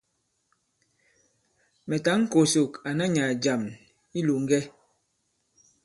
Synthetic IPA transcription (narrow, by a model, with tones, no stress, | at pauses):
mɛ˨ta˨˦ŋ̩˦ko˨so˨ka˨na˦ɲa˨d͡ʒa˨m | i˦lu˨ŋ˦ɡɛ˦